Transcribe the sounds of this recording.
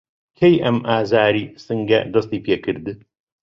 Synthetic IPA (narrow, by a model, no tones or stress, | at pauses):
kʰejʔɐmʔaːzaːɾiːsɨŋɡɐ̰d̪ɐst̪iːpʰeːkʰɨɾd̪ɨ